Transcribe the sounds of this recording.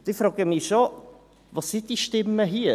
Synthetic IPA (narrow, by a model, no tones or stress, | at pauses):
d̪̥ifɾɑːɡəmiʃo | vɑsɪntd̥iʃtɪməɦiː